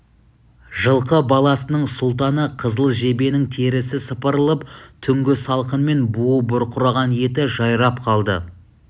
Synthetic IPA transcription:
ʒəlˠqəbɑlˠɑsənəɴsʊlˠt̪̬ɑnəqʰəzəlˠʒe̞be̞nɪŋt̪ʰe̞ɾɪsɪsəpəɾəlˠəpt̪ʰʏŋɡʲɪsɑlˠqənme̞nbuəbʊɾqʰʊɾɑʁɑnje̞t̪ɪʒɑjɾɑp̚qʰɑlˠd̪ə̰

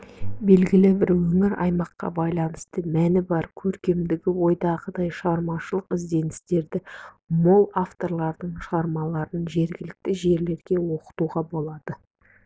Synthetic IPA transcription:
be̞lɡʲɪlɪbɪɾwɵŋɪɾɑ̰jmɑqːɑ̰bɑjlˠɑnəst̪əmænɪbɑɾkʲʰɵɾkʲe̞md̪ɪɡʲɪwo̞jd̪ɑʁəd̪ɑjʃʁɑɾmɑʃəlˠəqɪzd̪e̞nɪ̥st̪e̞ɾd̪ɪ | molˠaft̪o̞ɾlˠɑɾd̪əɴʃʁɑɾmɑlˠɑɾənʒe̞ɾɡʲɪlɪk̚t̪ɪʒe̞ɾle̞ɾɡʲe̞wo̞qə̥t̪uʁɑbo̞lˠɑd̪̥ə

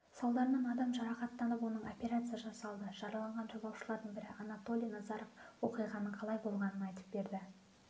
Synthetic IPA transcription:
sɑlˠd̪ɑɾmenɑd̪ɑmʒɑɾɑqɑt̪ːɑnəp̬wo̞nəɴo̞pʲe̞ɾat̪sɨjaʒɑsɑlˠd̪əʒ̥ɑɾəlˠɑɴʁɑnʒɑbˠɑwʃəlˠɑɾd̪əɴbɪɾɪʔɑnat̪o̞lʲˠijnɑzɑɾofwo̞̰qijʁɑnəɴqʰɑlˠɑjbo̞lˠʁɑnənɑjt̪ə̥p̚be̞ɾd̪ɪ

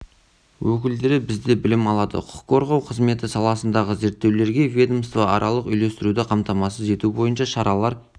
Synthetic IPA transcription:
wɵk̬ʲɪld̪e̞ɾɪbɪzd̪e̞bɪlɪmɑlˠɑd̪ə̰qʰʊ̥qːʰo̞ɾʁɑwqʰəzme̞t̪ɪsɑlˠɑsənd̪ɑʁəze̞ɾt̪ːe̞wle̞ɾɡʲe̞vʲed̪omst̪vɑɑ̰ɾʔɑlˠəqʏjle̞st̪ɪɾud̪ɪqʰɑmt̪ɑmɑsəze̞t̪ubo̞jənʃɑʃɑɾɑlˠɑɾ

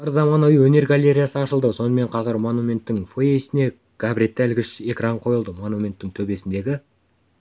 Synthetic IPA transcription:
əɾzɑmɑnujəwɵne̞ɾɡalʲːe̞ɾʲijasəɑʃəlˠd̪əso̞nəme̞ɴqʰɑzəɾmo̞numʲe̞nt̪ːɪŋfojesɪne̞ | ɡ̥abɾʲet̪ːælɡʲɪʃe̞kraɴqʰo̞jəlˠd̪əmo̞numʲe̞nt̪ːɪŋt̪ʰɵbe̞sɪnd̪e̞ɡʲɪ

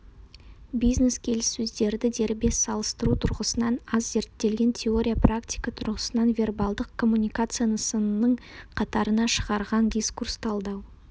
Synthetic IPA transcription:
bijzne̞skʲʰe̞lɪsːɵzd̪e̞ɾd̪ɪd̪e̞ɾbe̞sɑlˠəst̪əɾut̪ʰʊɾʁəsənɑnɑzːe̞ɾt̪ːe̞lɡʲe̞nt̪ʲʰe̞o̞ɾʲijaprakt̪ʲijkat̪ʰʊɾʁəsənɑnvʲe̞rbalˠd̪əqkʰo̞mːunʲijkat̪sɨjanəsənənəɴqʰɑt̪ɑɾənɑʃəʁɑɾʁɑnd̪ʲijskurst̪ʰɑlˠd̪ɑw

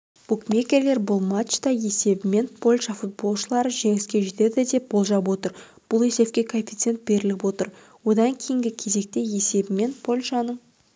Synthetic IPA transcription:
b̥ukmʲe̞kʲe̞ɾle̞ɾbʊlˠmat͡ʃt̪ɑje̞se̞bɪme̞npʰo̞lʲʃɑfut̪̚bo̞lˠʃəlˠɑɾəʒe̞ŋɪskʲe̞ʒe̞t̪e̞d̪ɪd̪e̞p̚bo̞lˠʒɑp̬wo̞t̪əɾ | b̥ʊlˠje̞se̞p̚kʲe̞kʰo̞nʲfʲi̥t̪se̞nt̪̚be̞ɾɪlɪpwo̞t̪əɾ | wo̞d̪ɑŋkʲʰejɪŋɡʲɪkʲʰe̞ze̞k̚t̪e̞je̞se̞bɪme̞npʰo̞lʲʃɑnəɴ

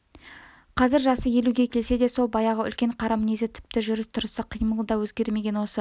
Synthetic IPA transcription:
qʰɑzɪɾʒɑsəje̞luɡʲekʲʰe̞lse̞d̪e̞so̞lˠbɑjɑʁəʏ̰lkʲe̞ɴqʰɑɾɑmnezɪt̪ʰɪ̥p̚t̪ɪʒʏɾɪst̪ʰʊɾəsɑqʰijməlˠd̪ɑwɵzɡʲe̞ɾme̞ɡʲe̞nwo̞sə

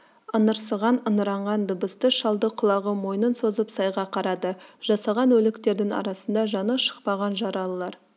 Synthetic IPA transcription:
ənəɾsəʁɑnənəɾɑɴʁɑnd̪əbəst̪əʃɑlˠd̪əqʰʊlˠɑʁəmo̞jnənso̞zəpsɑjʁɑqʰɑɾɑd̪əʒ̥ɑsɑʁɑnwɵlɪkt̪e̞ɾd̪ɪŋɑ̰ɾɑsənd̪ɑʒɑnəʃə̥q̚pɑʁɑnʒɑɾɑlˠəlˠɑɾ

